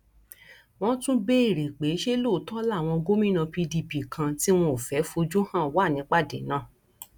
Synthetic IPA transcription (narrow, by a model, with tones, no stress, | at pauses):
w̃ɔ̃˦tũ˦be˦i˦˨ɾe˨k͡pe˨˦ʃe˦lo˦˨˦tɔ˦la˦˨w̃ɔ̃˧ɡo˦mĩ˦˨nã˧pi˧di˧bi˨kʰã˧ti˦w̃ɔ̃˧o˨fɛ˨˦fo˧d͡ʒu˦hã˦˨wa˦˨nĩ˨˦k͡pa˦˨dḛ˨˦nãː˦˨